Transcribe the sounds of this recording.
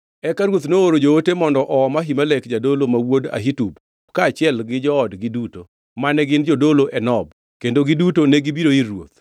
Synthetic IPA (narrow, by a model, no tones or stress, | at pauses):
ɛkaɾwot̪nooɾod͡ʒootemɔndɔʔɔmaɦimalekd͡ʒadolomawoda̰ɦitub | kaːt͡ʃɪɛlɡɪd͡ʒɔɔdɡɪduto | manɛɡɪnd͡ʒodoloʔɛnɔb | kendoɡɪdutonɛɡibiɾoirwo̰t̪̚